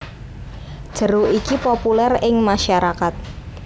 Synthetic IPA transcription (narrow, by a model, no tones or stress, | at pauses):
d̥ʒ̥ə̤ɾoʔikipopulɛrɪŋmaʃaɾakat̪̚